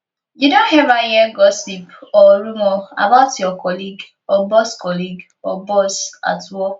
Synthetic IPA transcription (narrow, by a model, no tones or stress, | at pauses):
judõnhɛɾajɛɡɔsipɔɾumɔa̰baʊtjɔkɔliɡ | ɔbɔskɔliɡ | ɔbɔsa̰twɔ